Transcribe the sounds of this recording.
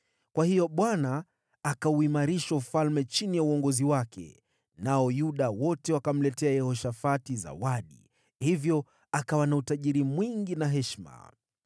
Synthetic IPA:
kwahijɔɓwanaː | kauimaɾiʃaufalmɛt͡ʃinijauɔŋɡɔziwakʰɛ̰ | naɔjuɗawɔtɛwakam̩lɛtɛajɛhɔʃafatiza̰waɗḭ | hivjɔ | akawanautaʄiɾimwiŋɡinaɦɛʃma̰

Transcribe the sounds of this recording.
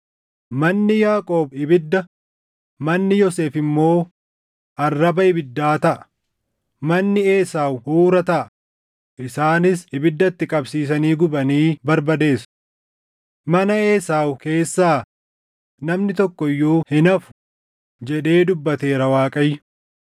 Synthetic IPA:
mɐnːɪjaːkʼo̞ːbɪbɪd̪ːɐ | mɐnːɪjɔse̞ːfɪmːo̞ː | ʔɐrːɐbɐɪbɪd̪ːaːt̪ɐʔɐ̥ | mɐnːɪe̞ːsaːwhuːɾɐt̪ɐʔɐ | ʔɪsaːnɪsɪbɪd̪ːɐt̪ːɪkʼɐbsiːs̬ɐniːɡʊbɐniːbɐɾbɐd̪e̞ːs | mɐnɐe̞ːsaːwke̞ːsːaː | nɐmnɪt̪ɔkːɔɪjːuːhɪnɐfʊ̥ | d͡ʒɛɗe̞ːd̪ʊbːɐt̪e̞ːɾɐwaːkʼɐjːʊ

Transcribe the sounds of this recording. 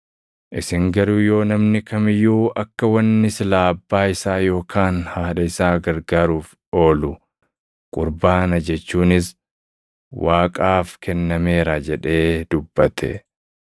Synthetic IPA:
ʔɪsɪŋɡɐɾujo̞ːnɐmnɪkɐmɪjːuːʔɐkːɐwɐnːɪsɪlaːɐbːaːɪsaːjo̞ːkʰaːnhaːᶑɐɪsaːɡɐɾɡaːɾuːf | o̞ːlʊ | kʼʊɾbaːnɐd͡ʒɛt͡ʃːuːnɪs | waːkʼaːfkʰɛnːɐme̞ːɾad͡ʒɛᶑe̞ːd̪ʊbːɐt̪ʰɛ̰

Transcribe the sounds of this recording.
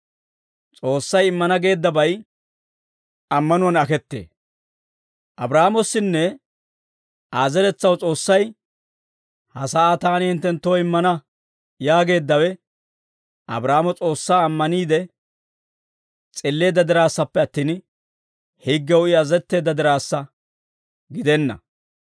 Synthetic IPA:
t͡sʼo̞ːsːɐjɪmːɐnɐɡe̞ːd̪ːɐbɐj | ɐmːɐnʊɐnɐkɛt̪ːḛː | ʔɐbɾaːmɔsːɪnːɛ | ʔaːzɛɾɛt͡sːɐwt͡sʼo̞ːsːɐj | hɐsaat̪aːnɪhɪnt̪ːɛnt̪ːoɪmːɐnɐ | jaːɡe̞ːd̪ːɐwɛ | ʔɐ̰bɾaːmɔt͡sʼo̞ːsːaːmːɐniːd̪ɛ | t͡sʼɪlːe̞ːd̪ːɐd̪ɪɾaːsːɐpːɛɐt̪ːiːn | hiɡːɛwʊɪɐzɛt̪ːe̞ːd̪ːɐd̪ɪɾaːsːɐ | ɡɪd̪ɛnːɐ̰

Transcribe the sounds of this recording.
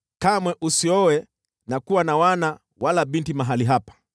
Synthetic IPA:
kamwɛʔusiɔwɛ | nakuwanawana | walaɓintimaɦaliɦapḁ

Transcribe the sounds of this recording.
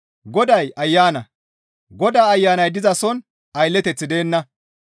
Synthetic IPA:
ɡɔd̪ɐjʔɐjːaːnɐ̰ | ɡɔd̪aːɐjːaːnɐjd̪ɪzɐsɔn | ɐjlːɛt̪ɛt͡sːɪd̪e̞ːnːɐ

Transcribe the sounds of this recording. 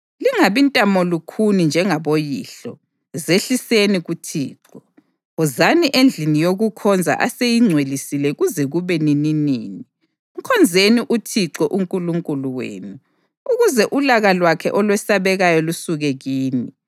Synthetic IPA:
liŋaβintʼamɔlukʰunind͡ʒʱɛŋaβojiːɬɔ | zeɬiseniɣutʰḭːǁɔ | uzaniʔend͡ɮʱinijoɣukʰɔnd͡zʱa̰ʔasejiŋ͡ǀʱwelisilɛɣuzɛɣuβɛnininiːni | ŋ̩kʰɔnd͡zʱeniʔutʰiǁɔʔuŋkʼuluŋkʼuluwḛːnu | uɣuzɛʔulaɣalwakʰɛʔɔlwɛsaβɛɣajɔlusuɣɛɣiːni

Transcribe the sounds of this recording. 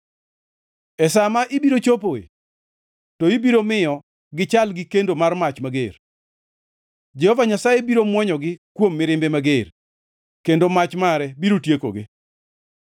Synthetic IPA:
ɛsamaʔɪbiɾot͡ʃopoḛ | tɔibiɾomɪjɔ | ɡɪt͡ʃalɡɪkendomarmat͡ʃmaɡer | d͡ʒɛhɔvaɲasajebiɾomwɔɲɔɡɪkwomːɪɾɪmbemaɡer | kendomat͡ʃmaɾɛbiɾotjeko̰ɡɪ̰

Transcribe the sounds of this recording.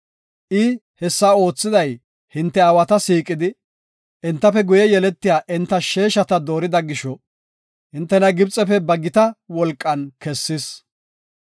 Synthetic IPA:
ʔɪ | hɛsːao̞ːt͡sːɪd̪ɐj | hɪnt̪ːɛɐwɐt̪ɐsiːkʼɪd̪ɪ | ʔɪnt̪ːɐpɛɡʊjɛjɛlɛt̪ːɪjaːʔɪnt̪ːɐʃe̞ːʃɐt̪ɐd̪o̞ːɾɪd̪ɐɡɪʃɔ | hɪnt̪ːɛnɐɡɪbt͡sʼɛpɛbɐɡɪt̪ɐwɔlkʼːɐnkɛsːɪs

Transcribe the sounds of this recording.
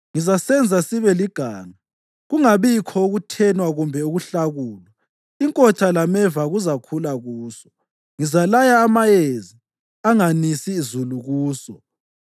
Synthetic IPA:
ŋizasɛnd͡zʱasiβɛliɡ̥ʱa̰ːŋa | ɣuŋaβikʰɔoɣutʰɛnwaɣumbʱɛuɣuɬaɣuːlɔ | iŋkʼɔt͡ʃʰʼalamɛvaɣuzakʰulaɣuːsɔ̥ | ŋizalajaːmajezi | aŋanisiːzuluɣuːsɔ

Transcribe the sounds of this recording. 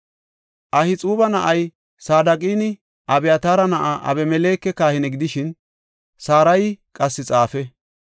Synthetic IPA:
ʔɐhɪt͡sʼuːbɐnɐʔɐj | saːd̪ɐkʼiːnɪ | ʔɐbɛjɐt̪aːɾɐnɐʔaʔɐ̰bɛmɛleːkːɛkaːhɪnɛɡɪd̪ɪʃɪn | saːɾɐjkʼɐsːɪt͡sʼaːfɛ

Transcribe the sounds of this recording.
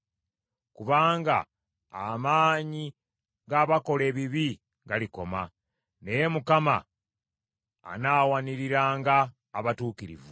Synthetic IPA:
kuβaːŋɡa̰ | amaːɲi | ɡaːβako̞le̞ːβiβi | ɡaliko̞ma | ne̞je̞mukama̰ | naːwaniɾiɾaːŋɡaː | βatuːkiɾḭvu

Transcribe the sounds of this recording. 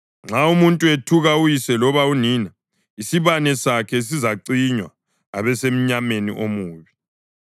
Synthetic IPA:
ŋ͡ǁʱaumuntʼuetʰuɣaujisɛlɔβauniːna | isiβanɛsakʰɛs̬izaǀiɲwa̰ | a̰βɛsem̩ɲamenḭʔomuːβi

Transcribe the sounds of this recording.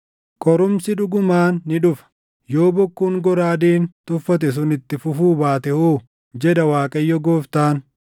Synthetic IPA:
kʼɔɾʊmsɪᶑʊɡʊmaːnːɪᶑʊfɐ̥ | jo̞ːbɔkːuːŋɡɔɾaːd̪iːnt̪ʼʊfːɐt̪̬ɛs̬ʊnɪt̪ːɪfʊfuːbaːt̪ɛhuː | d͡ʒɛᶑɐwaːkʼɐjːɔɡoːft̪aːn

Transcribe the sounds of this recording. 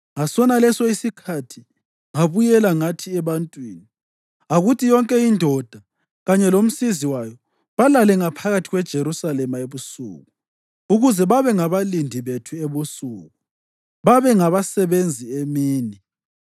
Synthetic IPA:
ŋasɔnalɛsɔisikʰatʰi | ŋaβujɛlaŋatʰiɛβantʼwiːni | aɣutʰijɔŋkʼɛindʱɔd̥ʱa | ɣaɲɛlom̩siziwajɔ | βalalɛŋapʰaɣatʰiɣwɛd̥ʒ̥ʱeɾusalɛmaeβusṵːɣ | uɣuzɛβaβɛŋaβalindʱiβetʰueβusṵːɣu | βaβɛŋaβasɛβend͡zʱiemiːni

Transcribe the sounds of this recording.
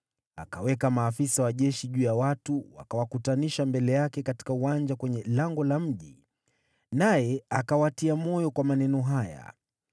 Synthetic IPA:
a̰kawɛkamaːfisawaʄɛʃiʄuːjawatuwa̰kawakutaniʃambɛlɛjakɛkati̥kauwand͡ʒakwɛɲɛlaŋɡɔlam̩ʄi | najɛakawatiamɔjɔkwamanɛnɔɦaja̰

